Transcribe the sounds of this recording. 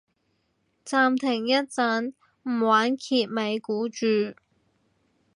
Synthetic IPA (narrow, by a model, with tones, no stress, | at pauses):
t͡saː˨˧mt̪ʰɪ˨˩ŋjɐ˥t̚t͡sɐ˨˥n | m̩˨˩waː˨˥nkʰiː˧t̚me˨˧jkuː˨˥t͡ʃyː˨˩